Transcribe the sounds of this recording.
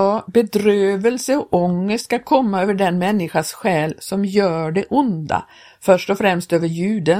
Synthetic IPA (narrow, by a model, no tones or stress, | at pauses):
bɛd̪ɾøːvəlsəɔʔɔŋːəsʈskakʰɔmːaøːvəɖɛnmɛnːɪɧasɧɛːlsɔmjœːɖɛʔʊnd̪a̰ | fœʂʈɔfɾɛmst̪øːvəɾjʉ̟ːd̪ə